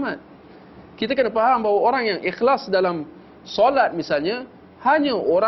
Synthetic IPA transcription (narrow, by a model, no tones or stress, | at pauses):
mat̪̚ | kit̪akənapaɦambawaoɾaŋjaŋʔixlasdalam | sɔlat̪̚misalɲa | haɲaʔoɾa